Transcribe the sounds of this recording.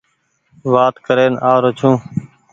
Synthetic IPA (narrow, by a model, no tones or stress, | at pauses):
ʋaːt̪kəɾeːnaːɾot͡ʃʰũː